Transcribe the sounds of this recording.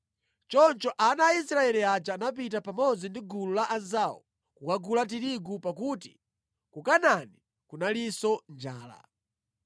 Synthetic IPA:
t͡ʃɔnt͡ʃɔʔanaisɾaɛliat͡ʃaːnap̬itapamɔd͡zindiɡululaʔazawɔ̰ | kukaɡulat̬iɾiɡupakuːti̥̰ | kukanani | kunalisɔnd͡ʒaːla̰

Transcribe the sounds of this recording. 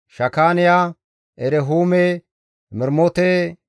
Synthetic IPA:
ʃɐkaːnɪja | ʔɛɾɛɦuːmɛ | mɪɾmɔt̪ɛ

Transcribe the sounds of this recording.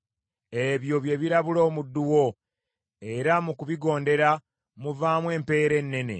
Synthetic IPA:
e̞βjo̞βje̞βiɾaβulo̞ːmudːuwo̞ | e̞ɾamukuβiɡo̞ːnde̞ɾa | muvaːmwe̞ːmpe̞ːɾe̞nːe̞ne̞̰

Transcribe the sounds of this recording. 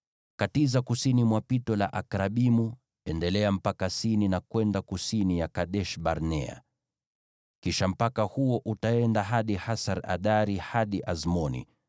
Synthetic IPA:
katizakusinimwapitɔla̰ʔakɾaɓimu | ɛndɛlɛam̩pakasininakwɛndakusinijakaɗɛʃɓaɾnɛa̰ | kiʃam̩pakahuɔʔutaɛndaɦaɗihasaɾa̰ɗaɾihaɗiʔazmɔnḭ

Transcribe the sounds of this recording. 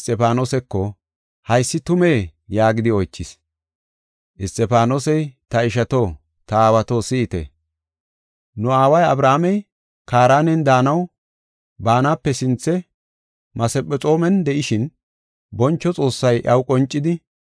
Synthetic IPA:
st̪ʼɛpaːnoːsɛkːɔ | hɐjsːɪt̪ʊme̞ːjaːɡɪd̪ɪɔjt͡ʃːɪs | ʔɪst̪ʼːɛpaːnoːsɛjt̪ɐɪʃ̬ɐt̪o̞ː | t̪ɐaːwɐt̪o̞ːsɪːt̪ɛ̰ | nʊaːwɐjɐ̰bɾaːmɛj | kaːɾaːnɛnd̪aːnɐw | baːnaːpːɛsɪnt͡sːɛ | mɐsɛpʼːɛt͡sʼo̞ːmɛnd̪ɛʔɪʃɪn | bɔnt͡ʃːɔt͡sʼo̞ːsːɐjʔɐwkʼɔnt͡ʃʼːɪd̪ɪ

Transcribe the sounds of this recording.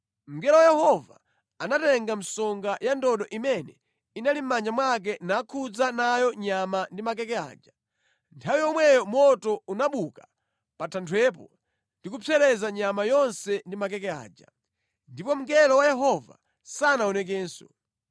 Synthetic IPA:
m̩ɡɛlɔwajɛhɔva̰ | anatɛŋɡam̩sɔŋɡajandɔɗɔʔimɛnɛ | inalim̩mand͡ʒamwak̬ɛnakʰud͡zanajɔɲamandimak̬ɛkɛa̰ːd͡ʒa | ntʰawijɔmwɛjɔmɔtɔunaɓuka | patʰantʰwɛpɔ | ndikupʰɛɾɛzaɲamajɔnsɛndimak̬ɛkɛa̰ːd͡ʒa | ndipɔm̩ɡɛlɔwajɛɦɔva̰ | sanaɔnɛk̬ɛːnsɔ̰

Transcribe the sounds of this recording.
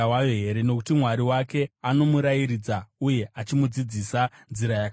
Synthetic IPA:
wajoɦe̞ɾe̞no̞kutimwaɾiwake̞ano̞muɾajiɾid͡zauje̞ʔat͡ʃimud͡zid͡zisanziɾajak

